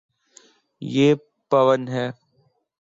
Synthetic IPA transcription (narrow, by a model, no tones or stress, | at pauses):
jeː | pɐʋənɦɛː